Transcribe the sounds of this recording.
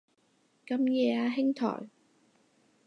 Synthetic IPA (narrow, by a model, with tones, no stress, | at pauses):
kɐ˧mjɛː˨˧aː˧ɦɪ˥ŋt̪ʰɔ̰ː˨˩j